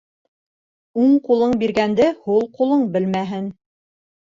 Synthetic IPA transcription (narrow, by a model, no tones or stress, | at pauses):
uɴqulˠɤɴbiɾɡænd̪ɘhulˠqulˠɤɴbɘ̆lmæɦɘn